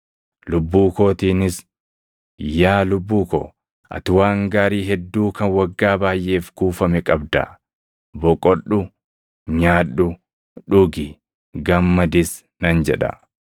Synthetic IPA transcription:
lʊbːuːko̞ːt̪iːnɪs | jaːlʊbːuːko̰ | ʔɐ̰t̪ʊwaːŋɡaːɾiːɦɛd̪ːuːkɐnwɐɡːaːbaːjʔe̞ːfkuːfɐmɛkʼɐbd̪ɐ̰ | bɔkʼːɔɗːʊ | ɲaːɗʊ | ᶑʊɡɪ | ɡɐmːɐd̪ɪs | nɐnd͡ʒɛᶑɐ̰

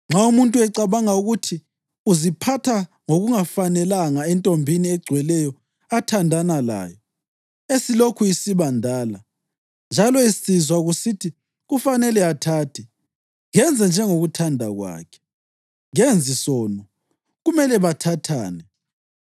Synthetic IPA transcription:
ŋ͡ǁʱaumuntʼuɛǀaβaŋauɣutʰi | uzipʰatʰa | ŋoɣuŋafanɛlaŋaɛntʼombʱiniɛɡ͡ǀʱwɛlɛjɔ | atʰandʱanala̰ːjɔ | esilokʰuisiβandʱaːla | nd͡ʒʱalɔeizwaɣusitʰi | ɣufanɛlɛatʰaːtʰɛ | ŋɛnd͡zʱɛnd͡ʒʱɛŋoɣutʰandʱaɣwa̰ːkʰɛ̥ | ŋɛnd͡zʱisɔːnɔ | ɣumɛlɛβatʰatʰa̰ːnɛ

